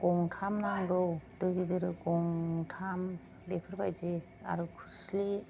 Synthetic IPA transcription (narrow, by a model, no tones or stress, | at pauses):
kɔŋtʰamnaŋdɔdɔjɡidɯɾɯkɔŋtʰam | depʰɯɾbajze | a̰ɾukʰusli